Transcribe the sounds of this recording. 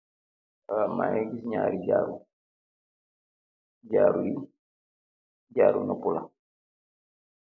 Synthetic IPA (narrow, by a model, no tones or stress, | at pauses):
ama̰jɛɡisɲaːɾiɟaːɾu | ɟaːɾuji | ɟaːɾṵnɐpula̰